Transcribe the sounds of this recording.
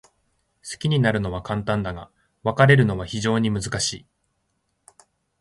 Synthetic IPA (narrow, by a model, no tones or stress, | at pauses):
sɨ̥kʲiɲ̟inaɾɯ̟no̞β̞akãnt̪ãnd̪aɡa̰ | βakaɾe̞ɾɯ̟no̞βaçiʑo̞ːɲ̟imɯzɨkaɕḭː